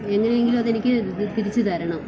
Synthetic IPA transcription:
e̞ŋːɐnejeŋɡilumɐðe̞nikʲːɨp̪iɾit͡ɕːɨt̪aːɾɐɳɐm

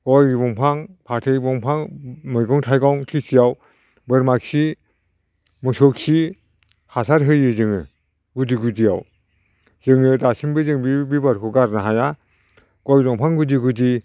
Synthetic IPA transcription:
ɡ̥ɔjbɔŋpʰaŋpʰaɾtʰejbɔŋpʰaŋmɯjɡɔŋtʰajɡɔŋkʰisijaw | bɯɾmaksi | mɯsɔk̚si | hasʰaɾɦɯjɯzɯŋɯ | ɡudiɡudija̰w | zɯŋɯdasimbɯzɯŋbibibaɾkʰɔɡaɾnaɦaja | ɡ̥ɔjdɔŋpʰaŋɡudiɡudi

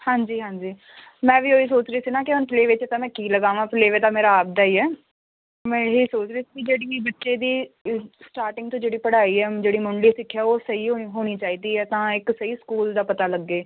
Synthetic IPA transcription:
hãːɲd͡ʒiːɦãːɲd͡ʒiː | mɛ̃ːʋiːoːiːsoːt͡ʃɾeiːsiːnãːkɪʊnpleːʋeːt͡ʃːt̪ãːmɛ̃ːkiːləɡaːʋãːpleːʋeːt̪aːmeːɾaːaːb̚d̪aːiːɛː | mɛ̃ːɦiːsoːt͡ʃɾeːsi̥ːkɪd͡ʒeːɽiːbətːʃeːd̪iːsʈaːɾʈɪ̃ŋɡt̪õːd͡ʒeːɽiːpəɽaːiːɛːd͡ʒeːɽiːmʊɳɖiːsɪkʰːɛːoːsəiːoɦoːɽ̃iːt͡ʃaːiːd̪iːɛːt̪ãːɪksəiːskuːld̪aːpət̪aːləɡːeː

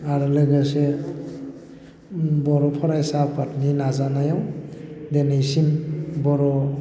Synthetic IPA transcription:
aɾɯlɯɡase | bɔɾɔpʰɔɾajsapatninazanajawdenejsinbɔɾɔ

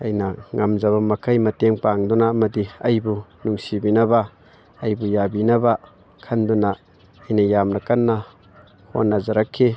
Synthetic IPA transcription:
ɐjnɐŋamzaβamɐkʰɐjmɐteŋpaŋdunaɐmɐdiɐjbunuŋsibinɐbaː | jbujabinɐba | kʰɐndunaː | jnɐjamnɐkanːa | ho̰nːazaɾakʰːi

